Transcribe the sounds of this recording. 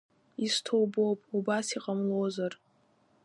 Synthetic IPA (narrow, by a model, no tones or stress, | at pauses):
istʰowbo̞pʼubasiqʼamlozar